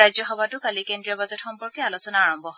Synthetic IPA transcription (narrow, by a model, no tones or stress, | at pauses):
ajzɔxɔbatʊkalikendɹiɔbazɛtxɔmpɔɹkɛalosɔnaːɹɔmbʱɔɦ